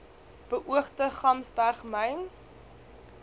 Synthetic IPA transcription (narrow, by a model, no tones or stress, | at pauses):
b̥əʔuəχtəχɐmsbærχmɛjn